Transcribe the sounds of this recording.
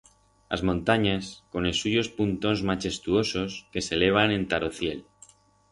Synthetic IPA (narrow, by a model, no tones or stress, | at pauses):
a̰zmõnt̪aɲasko̞nesːuʝo̞spunt̪o̞nzmat͡ʃe̞st̪uo̞so̞ske̞se̞le̞β̞anẽ̞nt̪aɾoθje̞l